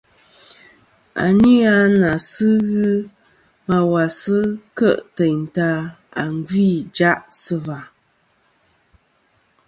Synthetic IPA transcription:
a̰˨ni˦a˦na˨sɨ˦ɣɨ˦ | ma˨wa˨sɨ˦kə˦˨ʔtɛ˨ɲn˨ta˦a˨ŋ˦ɡwi˦˨d͡ʒa˦ʔsɨ˦va˨

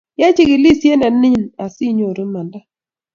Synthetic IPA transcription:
ja˦t͡ʃɪ˦kɪ˨li˦sje˦na˨nɪ˦na˨si˦ɲo˨ɾo˦ma˨nda˦

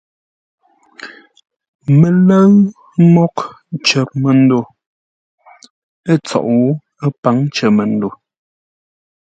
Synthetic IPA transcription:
mə˨lə˦ɰ | mɔ˦k | t͡ʃə˨p̚mə˨n̩˦do˨ | ə˦t͡sɔ̰˨ʔwo˨˦ | ə˦pa˨˦ŋt͡ʃə˨mə˨ndo˨

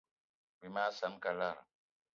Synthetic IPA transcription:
wi˨ma˦sa˨nka˨la˦˨ɾ

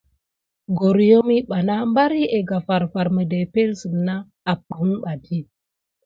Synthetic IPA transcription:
ɡo˨ɾjo˦mi˦ɓa˨na˦mba˦ɾi˦ʔe˨ɡa˨fa˨ɾfa˨ɾmə˨de˨pe˦lsə˨mna˦ | a˨p̚ə˨˦ŋɓa˨di˦

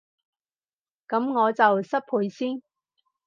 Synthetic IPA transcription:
kɐ˨˥mŋɔː˨˧t͡sɐ˨wsɐ˥t̚pʰuː˨˧jsiː˥n

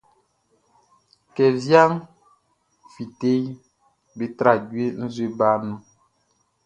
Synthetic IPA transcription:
kɛ˨vja˦ŋ | fi˨te˦j | be˨tɾa˦˨ɟwe˦n̩˦zwe˦ba˦nũ˦

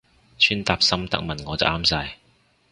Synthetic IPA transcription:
t͡ʃʰyː˥nt̪aː˨˧p̚sɐ˥mt̪ɐ̰˥k̚mɐ˨nŋɔː˨˧t͡sɐ̰˨˩ʔaː˥msaː˧j

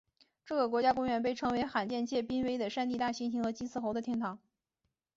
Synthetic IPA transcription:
ʈ͡ʂɤ˥˩ɡə˩k̬wɔ˧˥t͡ɕja˥kʊ˥ŋɥɛ˧˥np̬e˥˩ɪʈ͡ʂʰɤ˧˥ŋwe˧˥ɪxa˨˩nt͡ɕjɛ˥˧nt͡ɕʰjɛ˥˩pi˥nwe˥ɪd̪ə˨˩ʂa˥˧nt̪̬i˥˧t̪a˥˩ɕi˥nɕi˧˥ŋxɤ˧˥t͡ɕi˥nt͡sʰɹ̩˥˩xo˧˥ʊd̪ə˧t̪ʰjɛ˥nt̪ʰɑ˧˥˦ŋ

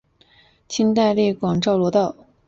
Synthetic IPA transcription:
t͡ɕʰi˥nt̪̬a˥˧ɪli˥˩kwɑ˨˩ŋʈ͡ʂɑ˥˩ʊlwɔ˧˥t̪ɑ˥˩ʊ

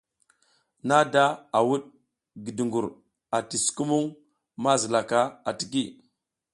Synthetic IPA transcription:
na˦da˦a˨wu˦ɗ | ɡi˨di˨ŋɡu˨ɾ | a˨ti˨sku˦mu˦ŋ | ma˦zə˨la˨ka˦a˨ti̥˨ki˦˨

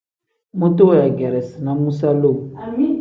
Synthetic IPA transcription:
mo˦to˦ja˨ɡɛ˨ɾɛ˨si˨nã˦mũ˦sa˦lo˦˨

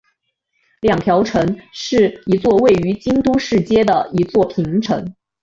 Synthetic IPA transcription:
ljɑ˨˩ŋt̪ʰjɑ˧˥ʊʈ͡ʂʰɤ˧˥ŋʂɻ̩˥˩i˧˥t͡swɔ˥˧we˥˩ɪy˧˥t͡ɕi˥ŋt̪u˥ʂɻ̩˥˩t͡ɕjɛ˥d̪ə˨i˧˥t͡swɔ˥˩pʰi˧˥ŋʈ͡ʂʰɤ̰˧˥ŋ

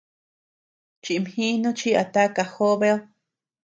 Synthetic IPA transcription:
t͡ʃi˨˧mhĩ˦nũ˦t͡ʃi˦a̰˨t̪a˦ka˧xo˦βe˦o˦

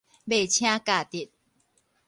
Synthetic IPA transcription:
be˥˨˩t͡ɕʰjã˦ka˨t̪i˨˩t̪̚

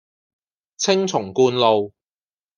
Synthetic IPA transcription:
t͡sʰɪ˥ŋt͡sʰʊ˨˩ŋkuː˧nlo˨w

